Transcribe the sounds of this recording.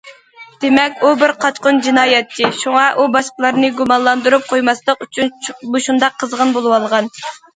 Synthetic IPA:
d̪̥emɛkʲubɪɾqʰɑt͡ʃqʊnd͡ʒinɑːjɛt̪ːɪʃuŋɑʔubɑʃqəlˠɑɾnɨɡumɑnlˠɑnd̪uɾup̚qʰojmɑst̪ˠəqyt͡ʃʰynboʃund̪ɑqʰːəzʁənbolˠɨwɑlˠʁɑn

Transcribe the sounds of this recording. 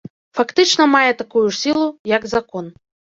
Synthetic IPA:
fakt̪ɨt͡ʂnɐmajɛt̪akujuʂsʲilˠujɐɡzakɔn

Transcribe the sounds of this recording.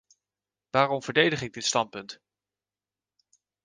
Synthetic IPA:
ʋaːrɔmvəɹdejdəχɪɡ̚dɪtstɑn̚pɵnt

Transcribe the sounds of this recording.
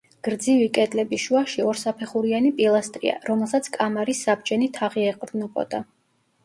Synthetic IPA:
ɡ̥ɾd̪zivikʼɛd̪lɛbiʃuaʃiɔɾsapʰɛχuɾianipʼilˠast̪ʼɾḭa̰ɾɔmɛlˠsat̪sʰkʼamaɾisːab̚d͡ʒɛnit̪ʰaʁiɛqʼɾd̪nɔpʼɔ̰d̪̥a

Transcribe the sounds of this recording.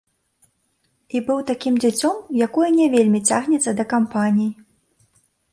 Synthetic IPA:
ibɨwt̪akʲimd͡zʲat͡sʲɔmjakujɐnʲɛvʲelʲmʲit͡sʲaɣnʲɛt̪sːɐd̪ɐkampanʲij

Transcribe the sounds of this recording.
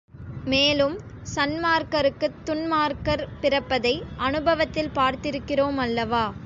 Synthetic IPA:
meːlɯm | sɐnmaːɾkɐɾɯkːɯt̪ːʊnmaːɾkɐɾpɪrɐpːɐðɐɪʔɐnɯbɐʋɐt̪ːɪlpaːɾt̪ɪɾɯkːɪroːmɐlːɐʋaː

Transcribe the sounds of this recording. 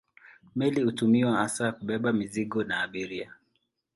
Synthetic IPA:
mɛlihutumiwaasakuɓɛɓamiziɠɔnaːɓiɾia

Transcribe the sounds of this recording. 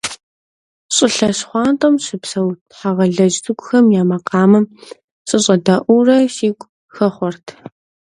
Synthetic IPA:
ɕʼɪɬɐɕχʷɑːntʼɐmɕɪpsɐw | ħaʁɐɮɐd͡ʒtʰɨɡʷʼʊxɐmjaːmɐqɑːmɨm | ɕʼɨɕʼɐdɐʔʷurɐɕiːkʷʼ | xɐχʷɔrtʰ

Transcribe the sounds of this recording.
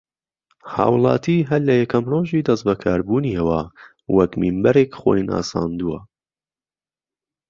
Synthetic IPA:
hɑ̰ːwlˠɑ̰ːt̪ʰiːɦɐllɐjɐkɐmroːʒiːd̪ɐsbɐkʰaːɾbuːniːhɐwaː | wɐkmimbɐɾeːkχo̰ːjna̰ːsɑ̰ːnd̪uwɐ

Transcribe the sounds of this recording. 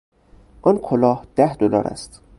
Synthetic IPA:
ʔɒnkʰolɒːhd̪̥æhd̪olɒ̰ːɾæ̰st̪

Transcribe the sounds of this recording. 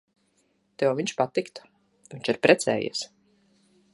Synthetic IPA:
t̪ɛɔviɲt͡ʃpat̪ikt̪ | viɲt͡ʃiɾpɾɛt̪sɛ̰ːjḭs

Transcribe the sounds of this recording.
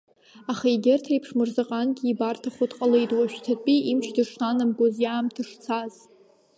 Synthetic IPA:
aχaiɡʲɪrtʰajpʰʂmɨrzaqʼanɡʲiːbartʰaχʷotqʼalejtʼwaʃᶣtʰapʼiʔimʃdɨʂnanɨmɡʷozjaːmtʰɨʂt͡sʰaz

